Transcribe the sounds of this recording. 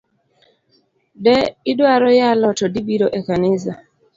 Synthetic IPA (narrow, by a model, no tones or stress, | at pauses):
dɛɪdwaɾɔjalɔtɔdibiɾɔʔekanɪsa